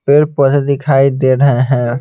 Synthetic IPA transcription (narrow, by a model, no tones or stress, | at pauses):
peɾpət̪d̪ɪkʰaːid̪eːɾəɦeɦɛ̃ː